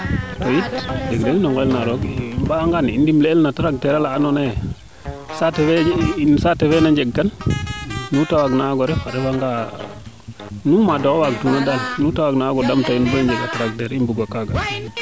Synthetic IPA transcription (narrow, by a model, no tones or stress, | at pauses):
tojitd͡ʒɛɡdeŋnɔŋɡɔɛlnaɾɔɡbaŋɡanindimleːlnataɾak̚tɛɾalaːnɔne | satɛfɛinsatɛfɛnaɲd͡ʒɛɡːanː | utawaɡnaɡɔɾɛfaɾɛbaŋɡa | numadɔkɔwak̚tunadalnutawaɡnaɡɔdamtainbɔɲd͡ʒɛɡataɾaɡ̚tɛɾimbuɡwakaɡa